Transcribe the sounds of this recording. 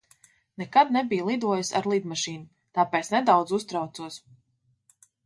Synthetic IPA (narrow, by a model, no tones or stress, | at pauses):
nɛkad̪nɛbijlˠid̪uɔjsa̰ɾlˠiːd̪maʃiːnu | t̪aːpɛːt̪snɛd̪awd̪zust̪ɾawt̪suɔs